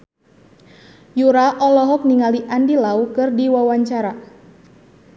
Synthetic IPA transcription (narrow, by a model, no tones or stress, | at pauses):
juɾaʔɔlɔɦɔk̚niŋaliʔandilaukɨrdiwawaɲt͡ʃaɾa